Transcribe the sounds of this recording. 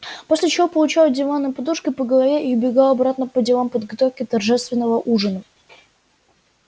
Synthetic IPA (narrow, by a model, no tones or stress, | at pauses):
posʲlʲɪt͡ɕɪvopəlˠʊt͡ɕalˠədʲɪvanːɨjpɐd̪uʂkʲɪpəɡəlˠɐvʲeʔɪʊbʲɪɡalˠɐbɾat̪nəpədʲɪlˠampəd̪ɡɐt̪ofkʲɪt̪ɐrʐɛst̪vʲɪnːəvəʔuʐɨnə